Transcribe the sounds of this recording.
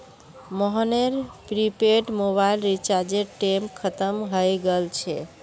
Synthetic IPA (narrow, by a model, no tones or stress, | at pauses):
mɔɦəneɾpɾipeʈmoβailɾit͡ʃaɾd͡ʒeʈemkʰət̪əmɦəjɡelt͡ʃʰɛ